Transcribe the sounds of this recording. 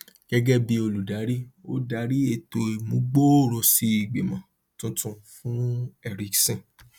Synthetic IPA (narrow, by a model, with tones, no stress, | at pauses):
ɡ̥ɛ˦ɡɛ˦bi˧o˧lu˨da˨˦ɾi˦o˦da˨˦ɾi˦e˧˨to˨i˨mũ˨˦ɡ͡bo˦o˦˨ɾɔ˨si˧i˨ɡ͡be˨mã˨ | tũ˦tũ˦˨fũ˦ɛ˦˧ɾi˨˧ksɛ̃˦˨